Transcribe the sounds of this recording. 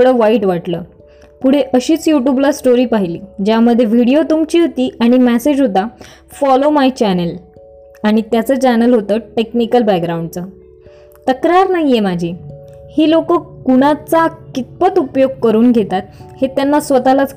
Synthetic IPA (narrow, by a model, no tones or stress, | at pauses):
ɽəʋaiʈʋaʈləː | puɽ̤eʔəɕiːt͡sjuʈjublasʈoɾiːpaɦiliːd͡ʑjaməd̪ʱːjeʋiɽijot̪umt͡ɕiːɦot̪iːaɽ̃imæsed͡ʑɦot̪a | fɔlomajt͡ɕænəl | aɽ̃it̪jat͡səːt͡ɕænəlɦot̪əːʈeknikəlbɛkɡɾaũɳɖt͡sə | t̪əkɾaɾnaɦijemad͡ʑʱiːhiːlokəːkuɽ̃at͡sakit̪̚pət̪upjoɡ̚kəɾuːnɡʱet̪at̪̚het̪janːasʋət̪alat͡s